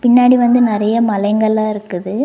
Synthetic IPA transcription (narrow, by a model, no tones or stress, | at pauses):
pɪɳːaːɽiʋɐnd̪ɯnɪɾɐjɐmɐlɐɪŋɡɐɭaːɪɾɯkːɯðɯ